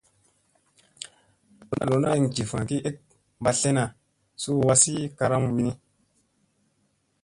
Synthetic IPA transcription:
o˨na̰˦˨lo˨˦na˦i˦ŋd͡ʒi˨fa˨ki˦e˦k̚ | ba˨ɬe˦na˨ | su˦˨wa˦si˦ka˧ɾa˦mwi˦ni˦

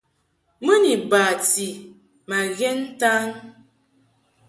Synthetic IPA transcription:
mə˦ni˨ba˨ti˨ | ma˨ɣɛ˦n̩˦ta˦ŋ

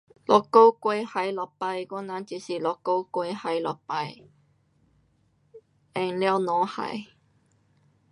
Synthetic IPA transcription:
lɔ˨˩kːo˦wkwe˧ha˨jlɔ˨˩pa˧jkɔ˥˧nã˨˦nt͡ɕi˨˩si˨˩lɔ˨˩kːo˧wkwe˧˦ha˨˩jlɔ˨˩pa˧j | ɛ˧˩ŋla˥˧wnɔ̃˨˧˦ha̰˨˩j

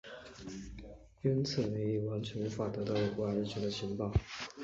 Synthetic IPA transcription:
ə˥nt͡s̩ʰ˥˩ne˧˥ɪi˨˩wa˧˥nt͡ɕʰɥɛ˧˥ny˧˥fa˥˩t̪ɤ˧˥t̪ɑ˥˩ʊjo˨˩kɔ˥a˧˥ɻ̩˥˩t͡ɕʰɛ˧˥d̪ə˧ɕi˧˥ŋpɑ˥˩ʊ

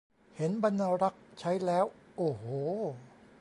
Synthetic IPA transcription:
he˩˦nba˧nːa˧ɾa˦˥k̚t͡ɕʰa˦˥jlɛː˦˥wʔoː˨˩hoː˨˩˦

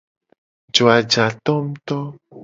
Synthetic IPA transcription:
d͡ʒo˨a˨d͡ʒa˨t̪ɔ˦m̩˦t̪ɔ˦

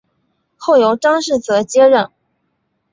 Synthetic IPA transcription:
xo˥˩ʊjo˧˥ʊʈ͡ʂɑ˥ŋʂɻ̩˥˩t͡sɤ˧˥t͡ɕjɛ˥ɻə˥˩n

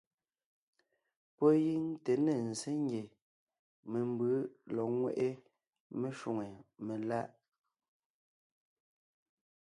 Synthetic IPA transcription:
pɔ˦ji˦ŋ˦te˨ne˨n̩˨se˦ŋ˦ɡje˨ | me˨mbɯ˨˦lɔ˨ŋwḛ˦˨ʔe˦ | me˦ʃu˨ŋe˨me˨la˦ʔ

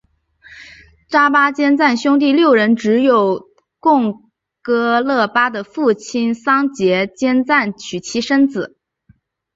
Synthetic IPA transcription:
ʈ͡ʂa˥pa˥t͡ɕjɛ˥nt͡sa˥˩nɕjʊ˥ŋt̪̬i˥˧ljo˥˩ʊɻə˧˥nʈ͡ʂɻ̩˧˥jo˨˩ʊ | kʊ˥˩˧ŋ | kɤ˥lɤ˥˩pa˥d̪ə˨fu˥˩t͡ɕʰi˥nsɑ˥ŋt͡ɕjɛ˧˥t͡ɕjɛ˥nt͡sa˥˩nt͡ɕʰy˨˩t͡ɕʰi˧˥ʂə˥nt͡sɹ̩˨˩˦

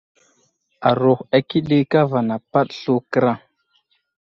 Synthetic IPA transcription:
a˨ɾo˨xa˨ki˦ɗi˦ka˦va˨na˨pa˦ɗɬu˦kə˦ɾa˦

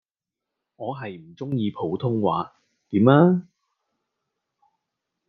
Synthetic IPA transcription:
ŋɔː˨˧ɦɐ˨jm̩˨˩t͡sʊ˥ŋjiː˧pʰo˨˥wt̪ʰʊ˥ŋwa̰ː˨˥ | t̪iː˨˥maː˥

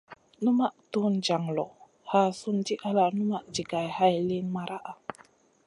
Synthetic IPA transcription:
nu˦ma˦ʔtu˦nd͡ʒa˨ŋlɔ˨ | ha˦su˦nd͡ʒi˦ʔa˦la˦nu˦ma˦ʔd͡ʒi˨ɡa˨jha˦jli˦nma˨ɾa˦ʔa˨

